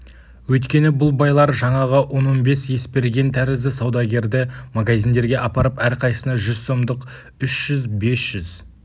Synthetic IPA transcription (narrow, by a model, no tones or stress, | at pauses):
wɵjt̪kʲe̞nɪbʊlˠbɑjlˠɑɾʒɑɴɑʁəwo̞nːonbe̞sje̞spe̞ɾɡʲe̞nt̪ʰæɾɪzɪsɑwd̪ɑɡʲe̞ɾd̪ɪmaɡazʲijnd̪e̞ɾɡʲe̞ʔɑpɑɾəpæɾqʰɑjsənɑʒʏzso̞md̪əq | ʏʃʒ̥ʏzbe̞sʒ̥ʏz